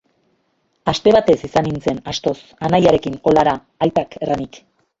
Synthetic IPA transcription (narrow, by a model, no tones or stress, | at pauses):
ast̪e̞β̞at̪e̞sisanint͡se̞nast̪o̞s | anajaɾe̞kiŋko̞laɾaː | jt̪ake̞ranik